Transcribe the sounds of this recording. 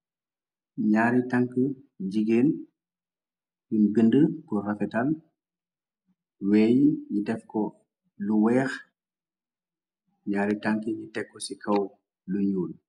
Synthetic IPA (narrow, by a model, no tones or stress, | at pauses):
ɲaːɾitaŋkə | ɟiɡeːn | junbindəkurɐfɛtɐl | wɛjɲidɛfkɔ | luwɛːx | ɲaːɾitaŋkəɲitɛkːɔsikʰɐw | luɲuːl